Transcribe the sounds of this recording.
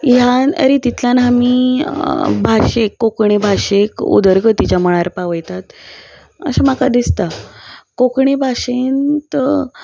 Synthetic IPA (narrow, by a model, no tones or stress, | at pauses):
janə̰ɾit̪it̪ʰljanami | bʱaɕekːokɳ̃ebʱaʂekṵd̪əɾɡət̪it͡ɕaməɭ̃aɾpaʋəjt̪at̪ | ə̰ɕamakad̪ist̪akokɳebʱaʂent̪